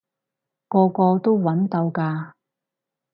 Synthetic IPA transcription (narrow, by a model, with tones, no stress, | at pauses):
kɔː˧kɔː˧t̪o˥wwɐ˨˥nt̪ɐ˧wkaː˧